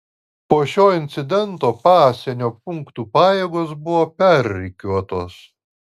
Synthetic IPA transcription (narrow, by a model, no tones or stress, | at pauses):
poːʃʲoːɪnʲt̪sʲɪd̪ʲɛnt̪oːpɑːsʲɛnʲoːpʊŋkt̪uːpɑːjeːɡoːsbʊʋoːpʲɛɾʲːɪkʲuɔt̪oːs